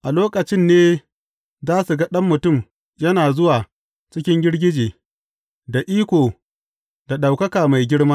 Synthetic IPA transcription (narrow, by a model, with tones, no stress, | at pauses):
ʔa˨loː˦kɐ˨t͡ʃɪ˦nːeː˦ | zaː˦su˨ɡɐ˦ɗɐ˦mːʊ˨tʊ˦˨m | jɐ˦naː˨zʊ˦waː˨ | t͡ʃɪ˦kʲɪ˦ŋɡʲɪ˦ɽɡʲɪ˦d͡ʒeː˨ | da˨ʔiː˦kʷoː˨ | da˨ɗa˨wkɐ˦kaː˨ma˨jɡʲɪ˦ɽmaː˦